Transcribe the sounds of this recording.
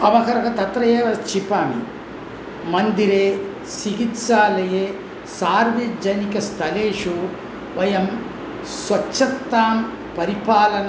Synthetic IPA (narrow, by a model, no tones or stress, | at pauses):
ɐʋɐkɐɾɐkɐt̪ɐt̪ɾɐjeːʋɐt͡ʃipaːmḭ | mɐnd̪iɾeː | siɡit̪saːlɐjeː | saːɾʋed͡ʒɐnikɐst̪ʰɐleːʂu | ʋɐjɐm | sʋɐtːt͡ʃːɐt̪ːaːm | pɐɾipaːlɐn